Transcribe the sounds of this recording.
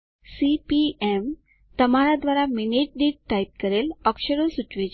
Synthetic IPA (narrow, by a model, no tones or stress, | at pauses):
sipiem | t̪əmaɾad̪ʋaɾaminiʈ̚ɖiːʈ̚ʈajp̚kəɾelɔkɕəɽosut͡ɕʋed͡ʑ